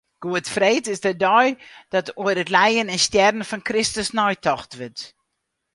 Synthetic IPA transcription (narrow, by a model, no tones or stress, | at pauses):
ɡ̥uətfreːtɪsdədɔjd̥ɔtuəɾətlɛjənɛnstjɛrdən̩fɔnkrɪstəsnɔjtɔxtʋɪt